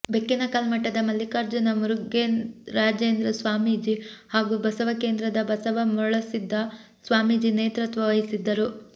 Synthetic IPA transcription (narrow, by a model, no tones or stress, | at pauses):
bekːinɐkɐlmɐʈːɐd̪ɐmɐlːikaːɾd͡ʒɐnɐmuɾuɡeɾaːd͡ʒeːnd̪ɾɐsʋaːmid͡ʒihaːɡubɐsɐʋɐke̞ːnd̪ɾɐd̪ɐbɐsɐʋɐmɔɭɐsid̪ʱːɐ | sʋaːmid͡ʒineːt̪ɾɐt̪ʋɐʋɐjisid̪ːɐɾu